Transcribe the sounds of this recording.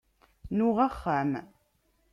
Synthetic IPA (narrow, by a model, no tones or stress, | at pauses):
nʊʁaχːəm